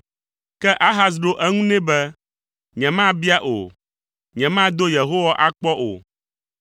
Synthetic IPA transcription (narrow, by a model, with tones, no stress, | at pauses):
kɛ˦ʔa˦ɦa˦s̬ɖo˦ʔɛ˦ŋũ˦nɛ̃˦bɛ˦ | ɲɛ̃˨mã˦bi˦a˦ʔo̰˨ | ɲɛ̃˨mã˦d̪o˦je˨ɦo˦wa˦ʔa˦k͡pɔ˦ʔo̰˨